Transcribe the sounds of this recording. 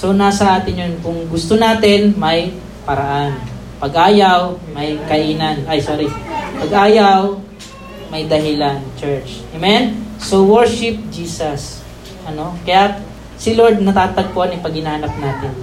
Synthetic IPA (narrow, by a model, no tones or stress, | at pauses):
so̞naːsɐʔaːt̪ɪnjonkʊŋɡʊst̪onaːt̪ɪnmɐj | pɐɾɐʔan | pɐɡʔaːjawmɐjkɐʔiːnɐnɐjsoːɾipɐɡʔaːjaw | mɐjd̪ɐɦɪlant͡ʃɛɹt͡ʃʔɛmɛnsowɛɹʃɪp̚d͡ʒiːsɐs | ʔɐno̞kɐja | sɪloɹd̪̚nɐt̪aːt̪ɐɡ̚pohɐnɪpɐɡhɪnahɐnɐp̚naːt̪ɪn